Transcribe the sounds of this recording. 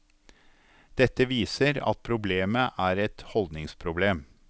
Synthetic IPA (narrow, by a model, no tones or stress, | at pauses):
d̪̥ɛt̪ːəʋiːsəɾɑ̰t̪̚pʰɾʊbleːməʔæːɾɛt̪hɔld̪nɪŋspʰɾʊbleːm